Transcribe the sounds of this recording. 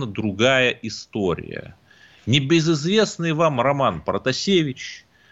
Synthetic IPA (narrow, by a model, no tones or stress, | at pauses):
nəd̪ɾʊɡajəʔɪst̪oɾʲɪ̰jə̰ | nʲɪbʲɪzɪzvʲe̞snɨjvamrɐmanpɾət̪ɐsʲevʲɪt͡ɕ